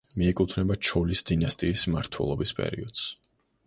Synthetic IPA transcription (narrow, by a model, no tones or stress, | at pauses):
miɛkʼut̪ʰnɛbat͡ʃʰɔlisd̪̥inast̪ʼiːsmaɾt̪ʰwɛ̰lˠɔbispʼɛ̰ɾḭɔd̪̥s